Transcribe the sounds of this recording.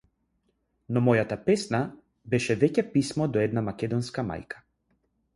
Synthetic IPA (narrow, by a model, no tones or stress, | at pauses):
nɔmɔjat̪apɛsna | bɛʃɛvɛcɛpismɔd̪ɔɛd̪namakɛd̪ɔnskama̰jkḁ